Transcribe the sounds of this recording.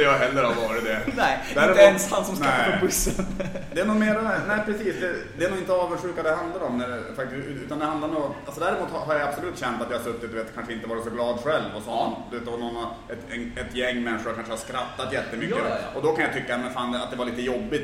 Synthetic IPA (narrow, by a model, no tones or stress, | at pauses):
jɑɦɛlːəɾhaɾvɑːɾɪt̪̚d̪ɛɛd̪æɾɛnst̪ansɔmsnɛbʊsənd̪ɛːnuːmeːɾanæːpʰɾɛsiːsd̪ɛd̪ɛɛnuːɡɪnt̪əɑːvəʂʉ̟ːkad̪ɛɦand̪laɾɔmnæɛfak̚t̪ɪsʉ̟ːʉ̰ːt̪and̪ɛhand̪aɾnualsɔd̪æːɾɪmuːt̪haɦaɾjaabsɔlʉ̟ːt̪ɕɛnt̪at̪jɑhaɾsɵt̪ːɪt̪̚d̪ɵveːt̪kʰanʂəɪnt̪əvɑːɖɛsɔɡlɑːd̪ɧɛlvɔsɔnd̪ɵveːt̪ɔnɔnːaɾ | ɛt̪ɛnɛt̪jɛŋːmɛnʂʊɾkʰanʂəhaʂskɾat̪ːat̪jɛt̪ːəmʏkːəɔd̪ɔkʰanjat̪ʰʏkːamɛnfaːnat̪̚d̪ɛvaɭiːt̪əjɔbːɪt̪